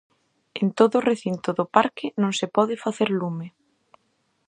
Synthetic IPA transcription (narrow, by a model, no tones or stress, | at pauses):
ent̪oðʊːreθint̪ʊðʊpaɾkɪnõŋsɪpɔðɪfaθeɾlume